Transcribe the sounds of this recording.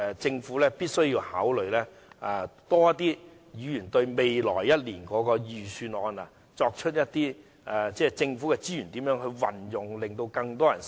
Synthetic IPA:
t͡sɪ˧ŋfuː˨˥lɛː˥piː˥t̚sɵ˥ɥjiː˧whaː˨˥wlɵ˨ɥlɛː˥ | ʔa˨˧t̪ɔː˥jɐ˥t̪iː˥ | jiː˨˥jyː˨˩nt̪ɵ˧ɥme˨jlɔ̰ː˨˩jːɐ˥t̚liː˨˩nkɔː˨˥kɔː˧jyː˨˩syː˧nɔː˧na̰˨ | t͡sɔː˧k̚t͡ʃʰɵ˥t̚jɐ˥t̚t̪iː˥ | ʔa˨t͡sɛː˥˩t͡sɪ˧ŋfu˨˥kɛ˧t͡siː˥jyː˨˩nt̪iː˨˥mjœː˨˥ŋɦɵ˧ɥwɐ˨˩njʊ˨ŋlɪ˨ŋt̪o˧wkɐ˧ŋt̪ɔː˥jɐ˨˩n

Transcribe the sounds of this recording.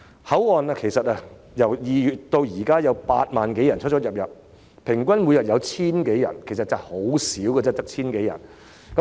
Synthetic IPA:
hɐ˨˥wɔː˨naː˧kʰe˨˩jsɐ˨t̚aː˧ | jɐ˨˩wjiː˨jyː˨t̚t̪o˧wjiː˨˩kaː˥jɐ˨˧wpa̰ː˧t̚maː˨nke˨˥jɐ˨˩nt͡ʃʰt̚t͡ʃɔː˨t̚jɐ˨p̚jɐ˨p̚ | pʰɪ˨˩ŋkʷɐ˥nmu˨˧˥jɐ˨p̚jɐ˨˧wt͡sʰiː˥nke˨˥jɐ̰˨˩nkʰe˨˩jsɐ˨t̚t͡sɐ˨˩ho˨˥wsiː˨˥wkɛː˧t͡sɛː˥t̪ɐ˥k̚t͡sʰiː˥nke˨˥jɐ̰˨˩n | kɐ˨˦

